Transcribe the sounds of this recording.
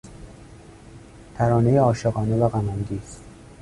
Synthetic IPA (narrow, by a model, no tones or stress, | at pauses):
t̪ʰæɾɒːne̞jeɒːʃeɣɒːne̞væɣæmænd̪iːs